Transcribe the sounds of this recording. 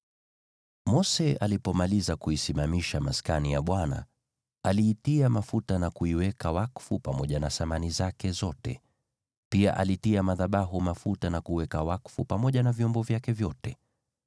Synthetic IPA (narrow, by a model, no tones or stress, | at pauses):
mɔsɛalipɔmalizakuisimamiʃamaskanijaɓwana̰ | aliːtiamafutanakuiwɛkawakfupamɔʄanasamanizakɛzɔtɛ̰ | pia̰ʔalitiamaðaɓaɦumafutanakuwɛkawakfupamɔʄanavjɔmbɔvjakɛvjɔtɛ